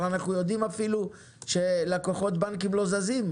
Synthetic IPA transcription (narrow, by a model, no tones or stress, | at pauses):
anaχnujo̞d̪imafilu | ʃe̞lakoχo̞t̪̚bankimlo̞zazim